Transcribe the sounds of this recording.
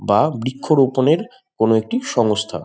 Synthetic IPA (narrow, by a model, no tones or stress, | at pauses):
babɾikʰːoɾoponeɾ | konoek̚ʈiʃɔŋost̪ʰa̰